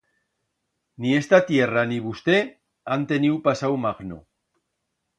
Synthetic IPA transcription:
niest̪at̪ieraniβust̪e | ant̪e̞niupasawmaɣno̰

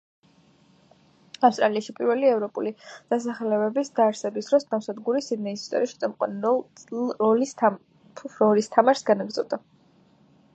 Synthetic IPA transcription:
afst̪ʼɾaliaʃipʼiɾvɛliɛvɾɔpʼulid̪̥asaχɛlɛbɛbisd̪̥aːɾsɛbisd̪ɾɔsd̪amsad̪ɡuɾisid̪nɛisi̥st̪ʼɔ̰ɾiʃɛ̥t̪ʼɛmqʼwa̰nɔ | ɔlisʰ | pʰuɾɔlist̪ʰamaɾsɡanaɡɾd̪zɔvd̪a

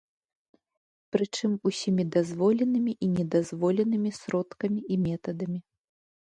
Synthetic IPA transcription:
pɾɨt͡ʂɨmusʲimʲid̪azvɔlʲɛnɨmʲiʔinʲɛd̪azvɔlʲɛnɨmʲisɾɔt̪kɐmʲiʔimʲɛt̪ɐd̪ɐmʲi

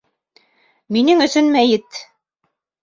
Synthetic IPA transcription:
minɘŋɵ̆sɵnmæjɘt̪

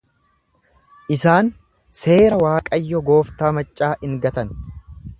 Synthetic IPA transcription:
ʔɪsaːn | se̞ːɾɐwaːkʼɐjːɔɡo̞ːft̪aːmɐt͡ʃʼːaːʔɪŋɡɐt̪ɐn

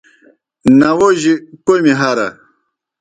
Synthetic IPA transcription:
nawoʒikojmiɦaɾa̰

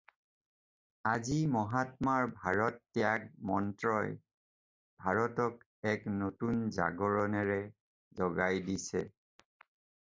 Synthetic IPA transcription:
azimɔɦatmaɹbʱaɹɔtːɛjakmɔntɹɔj | bʱaɹɔtɔk | ɛknotunza̰ɡɔɹɔnɛɹɛ | zɔɡajdisɛ̰

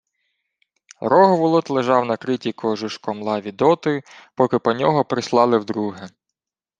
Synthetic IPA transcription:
ɾɔɦʋʊlˠɔt̪lˠeʒɑwnɐkɾɪtʲikɔʒʊʃkɔmlˠɑʋʲid̪ɔt̪ɪpɔkɪpɔnʲɔɦɔpɾɪslˠɑlˠɪwd̪ɾuɦɛ

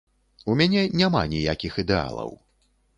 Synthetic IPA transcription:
umʲanʲɛnʲama̰nʲijakʲixid̪ɛa̰lˠɐ̰w

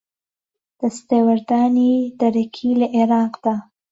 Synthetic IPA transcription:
d̪̥əst̪ewaɾd̪ɑnid̪aɾakʰilaʔɪɾɑqd̪̥a

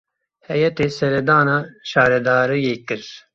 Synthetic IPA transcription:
hɛjɛt̪eːsɛɾɛd̪aːnaːʃaːɾɛd̪aːɾɨjeːkɨɾ

